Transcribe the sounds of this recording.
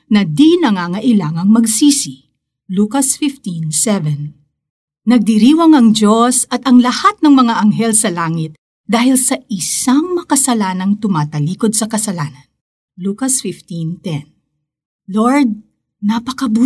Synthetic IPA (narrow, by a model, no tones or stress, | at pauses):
nɐd̪inɐŋaːŋɐʔɪlaŋɐŋmɐɡsiːsɪ | luːkɐsfɪft̪insɛvɛn | nɐɡ̚d̪iɾiːwɐŋɐŋd͡ʒosɐt̪ɐŋlɐhat̪̚nɐŋmɐŋaʔɐŋɦɛlsɐlaːŋɪt̪̚ | d̪aːhɪlsɐʔɪsaŋmɐɐkɐsɐlaːnɐŋt̪ʊmaːt̪ɐliːkod̪̚sɐkɐsɐlaːnɐn | luːkɐsfɪft̪ĩnt̪ɛn | loɹd̪̚ | nɐpɐkɐbuː